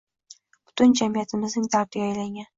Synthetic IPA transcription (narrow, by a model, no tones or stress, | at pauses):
b̥ʊ̥t̪ʰʊnd͡ʒamijat̪ʰɪmɪznɪŋt̪ʰaɾt̪ʰɪajlaŋʲan